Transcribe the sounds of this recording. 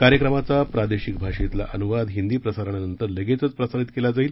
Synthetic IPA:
kaɾjəkɾəmat͡sapɾad̪eɕik̚bʱaʂet̪la̰ʔənuʋad̪ɦind̪iːpɾəsaɾəɳ̃janənt̪əɾleɡet͡sət͡spɾəsanit̪kelad͡zaiːl

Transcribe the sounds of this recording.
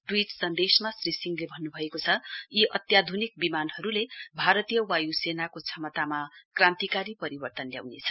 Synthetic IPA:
ʈwiʈsʌnd̪esmasrisiŋɡlebʱʌnːubʱʌekot͡sʰʌiʔʌt̪jad̪ʱunik̚bimanɦʌɾulebʱaɾʌt̪ijʌwajusenakot͡sʰʌmʌt̪amakrãnt̪ikaɾipʌɾibʌrt̪ʌnlja̰wnet͡sʰʌ̥

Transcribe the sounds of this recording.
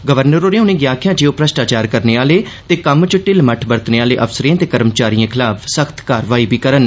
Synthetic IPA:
ɡəʋəɾnəɾoːɾẽʊnẽːɡjaːkʰɪjãːd͡ʒeːoːpɾəsʈaːt͡ʃaːɾkəɾneːaːleː | t̪eːkəmt͡ʃəʈɪlməʈʰbəɾt̪neːaːlḛːʔəfsəɾẽãːt̪eːkəɾəmt͡ʃaːɾiãːkʰɪlaːpʰsəkʰt̪kaːɾʋaːiːbʱiːkəɾən

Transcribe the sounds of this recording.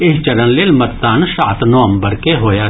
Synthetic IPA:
eɦt͡ʃɐɾə̃nlelmɐɾt̪ːaːnsaːt̪noːəmbəɾkeɦoːjaː

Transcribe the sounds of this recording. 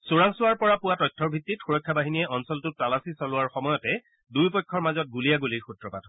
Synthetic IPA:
suɹaŋsʊwaɹpɔɹapʊwatɔjtʰːɔɹbʱitːitxuɹɔjkʰːabaɦiniɛʔɔnsɔltʊttalasisɔlʊaɹxɔmɔjɔtɛ | dujpɔjkʰːɔɹmazɔt̚ɡulijaɡuliɹxutɹɔpatʰɔ

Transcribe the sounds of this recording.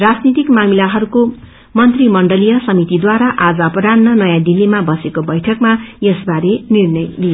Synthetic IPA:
rad͡znit̪ikmamilaɦʌɾuko | mʌnt̪rimʌɳɖʌlijʌsʌmit̪id̪waɾaʔad͡zʌpʌɾanːʌnʌjãd̪ilːimabʌsekobʌjʈʰʌkmajesbaɾenirnʌjli

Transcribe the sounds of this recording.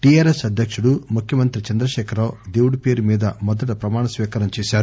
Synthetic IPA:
ʈiaːɾesɐd̪ʱjɐkʂuɽumukʰjɐmɐnt̪ɾit͡ʃɐnd̪ɾɐʃɛːkʰɐɾaːwd̪e̞ːwuɽupeːɾumiːd̪ɐmɔd̪ɐʈɐpɾɐmaːɳɐsʋiːkɐɾɐmt͡ʃeːʃaːɾu

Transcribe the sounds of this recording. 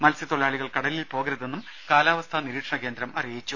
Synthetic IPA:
mɐlsit̪oɭjaːɭiɣɐɭkɐɽɐlilpo̞ːɡɾɐðenːum | kaːlaːʋɐst̪ʰaniɾiːʈʂɐɳɐke̞ːnd̪ɾɐmɐrijit͡ɕːu

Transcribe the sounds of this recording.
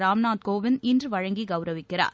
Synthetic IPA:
ɾaːmnaːt̪̚koːʋɪnɪndrɯʋɐɻɐŋɡiɡɐʊɾɐʋɪkːɪɾa̰ːɾ

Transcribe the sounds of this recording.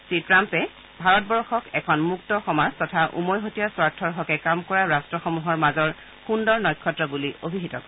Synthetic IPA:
sitɹampɛ | bʱaɹɔt̚bɔɹxɔkɛkʰɔnmuktɔxɔmaztɔtʰaʔṵmɔjɦotijaswaɹtʰːɔɹɦɔkɛkamkɔɹaɹastɹɔxɔmuɦɔɹmazɔɹ | xundɔɹnɔjkʰːɔtɹɔbuliobʱiɦitɔkɔ

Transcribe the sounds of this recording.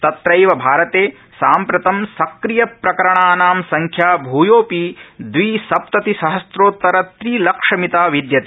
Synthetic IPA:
t̪ɐt̪ɾɐjʋɐbʱaːɾɐt̪eː | saːmpɾɐt̪ɐmsɐkɾijɐpɾɐkɐɾɐɳaːnaːmsɐŋkʰjaːbʱuːjoːpid̪ʋiːsɐp̚t̪ɐt̪isɐɦɐsɾoːt̪ːɐɾɐt̪ɾiːlɐkʂɐmit̪aːʋid̪jɐt̪e

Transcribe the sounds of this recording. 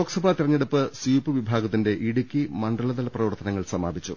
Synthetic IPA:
oːksɐbʱaːt̪iɾɐɲːeɽɐpːɨsiːpːɨʋibʱaːɡɐt̪ːinde̞ʔiɽukʲːimɐɳɖɐɭɐd̪ɐlɐprɐʋɐrt̪ɐnɐŋːɐɭsɐmaːbʱit͡ɕːṵ

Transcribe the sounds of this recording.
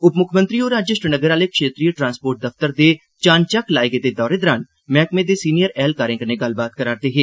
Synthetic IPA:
ʊpmʊkʰmə̃nt̪ɾioːɾaːd͡ʒjəʃɾənəɡəɾaːlekʃeːt̪ɾijəʈɾãːnspoːɾʈ̚d̪ɐft̪əɾd̪e | t͡ʃaːnt͡ʃəklaːeɡed̪ed̪ɔːɾed̪əɾaːn | mɛːkmẽd̪esiːnijəɾɛːlkaːɾẽkəɾneɡɐlbaːt̪kəɾaːɾd̪eːɦeː

